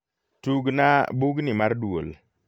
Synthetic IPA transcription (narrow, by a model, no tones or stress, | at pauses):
tuɡnabuɡnimaɾduol